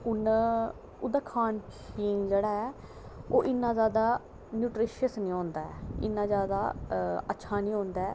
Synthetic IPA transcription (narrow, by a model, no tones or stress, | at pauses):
ʊn | ʊd̪aːkʰaːnkʰ | iːŋɡd͡ʒeːɽaːɛː | oːʔɪnːãːzjaːd̪aː | njuːʈɾɪːʃəsnĩːɦõːnd̪aːɛɪ̰nːãːzjaːd̪a̰ːətːʃʰaːnĩːɦõːnd̪aːɛː